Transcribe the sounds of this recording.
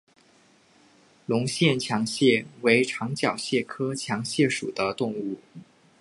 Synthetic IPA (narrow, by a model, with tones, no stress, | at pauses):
lʊ˧˥ŋɕjɛ˥˩nt͡ɕʰjɑ˧˥ŋɕjɛ˥˩we˧˥ɪʈ͡ʂʰɑ˧˥ŋt͡ɕjɑ˨˩ʊɕjɛ˥˩kʰɤ˥t͡ɕʰjɑ˧˥ŋɕjɛ˥˩ʂṵ˨˩d̪ə˦t̪ʊ˥˧ŋu˥˩